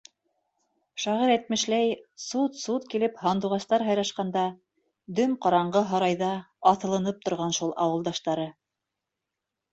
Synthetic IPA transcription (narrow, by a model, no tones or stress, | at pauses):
ʃɑʁiɾæt̪̚mɘ̆ʃlæjsut̪sut̪kilɘphɑnd̪uʁɑst̪ɑɾɦɑjɾɑʃqɑnd̪ɑ | d̪ɵmqɑɾɑɴɢɤɦɑɾɑjðɑɑθɤ̆lˠɤ̆nɤp̚t̪ŏɾʁɑnʃulˠɑwɤ̆lˠd̪ɑʃt̪ɑɾɤ